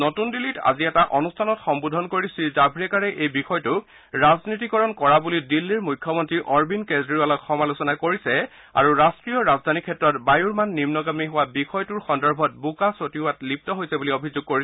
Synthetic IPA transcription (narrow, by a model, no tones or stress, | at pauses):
notundilita̰ziɛtaʔɔnustʰanɔtxɔmbudʱɔnkoɹisizabʱɹɛkaɹɛʔejbixɔjtʊ | ɹaznit̬ikɔɹɔnkɔɹabulidilːiɹmujkʰːɔmɔntɹiʔɔɹbinkezɹialɔkxɔmalusɔnakoɹisɛ | a̰ɹuɹastɹijɔɹazdʱanikʰːɛtːɹɔtbajuɹmanːimnɔɡamiɦʊwabixɔjtuɹxɔndɔɹbʱɔt̚bukasotiatlip̚tɔɦojsɛbuliobʱizʊɡ̚koɹis